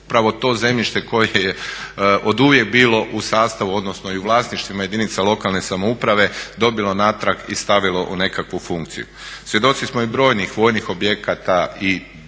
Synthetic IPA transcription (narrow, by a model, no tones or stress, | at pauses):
upɾaʋo̞t̪o̞ːze̞mʎiʃt̪eko̞jejeʔod̪uʋje̞k̚biːlo̞ʔusaːst̪aʋuo̞d̪no̞sno̞iuʋlˠaːsniʃt̪ʋimaje̞d̪init̪salˠo̞kalˠne̞samoupɾaʋe̞d̪o̞bilo̞naːt̪ɾakḭst̪aʋilo̞ʔune̞kakʋufuŋkt̪sḭjusʋje̞d̪o̞t̪sismoibɾo̞ːjnixʋo̞ːjnixo̞bje̞kat̪ai